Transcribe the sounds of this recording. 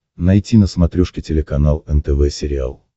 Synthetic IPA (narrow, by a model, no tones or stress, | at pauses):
nɐjtʲinəsmɐt̪ɾʲuʂkʲɪtʲɪlʲɪkɐnalˠɛnt̪ɛvɛsʲɪɾʲɪa̰lˠ